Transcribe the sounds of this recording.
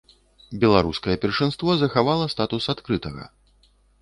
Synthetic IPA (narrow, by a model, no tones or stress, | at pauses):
bʲɛlˠaɾuskɐjɛpʲɛrʂɨnst̪vɔzɐxavalˠɐst̪at̪usat̪kɾɨt̪ɐɣɐ̰